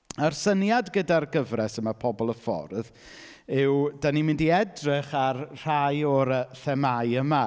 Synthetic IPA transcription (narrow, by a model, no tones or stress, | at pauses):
ərsənjadɡədarɡəvrɛsəmapʰɔbɔlˠəfɔ̰rð | ɪwdanimɪ̃ndiɛdrɪχarr̥ajɔɾəθɛmaɨəma